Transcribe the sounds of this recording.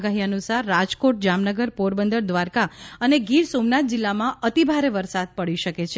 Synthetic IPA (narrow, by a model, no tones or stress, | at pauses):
ɡaɦiənusaɾːad͡ʒkoʈ̚d͡ʒamnəɡəɾpoɾbənd̪əɾd̪ʋaɾkaəneɡiɾsomnat̪̚d͡ʒilːamãət̪ibʱaɾeʋəɾsad̪̚pəɭiʃəket͡ʃʰe